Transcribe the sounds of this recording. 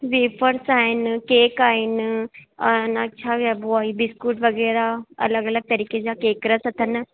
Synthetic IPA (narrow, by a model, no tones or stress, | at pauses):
ʋeːpʰəɾsaːɦɪnkeːkaːɦɪnɐnt͡ʃʰaɡɛboaːibɪskuːʈʋɐɣɛːɾaɐ̰ləɡɐləɡ̚t̪ɐɾiːked͡ʑaːkeːkɾəsɐt̪ʰɐn